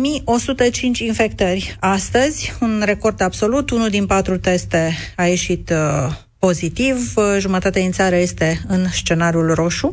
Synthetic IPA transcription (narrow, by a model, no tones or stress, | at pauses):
mio̞sut̪ət͡ʃint͡ʃʲinfe̞kt̪ərʲast̪əzʲunre̞ko̞rd̪abso̞lut̪unuld̪inpat̪ɾut̪est̪e̞aje̞ʃit̪ | po̞zit̪ivʒumət̪at̪ed̪int̪saɾəje̞st̪e̞ɨnst͡ʃe̞naɾʲiulro̞ʃu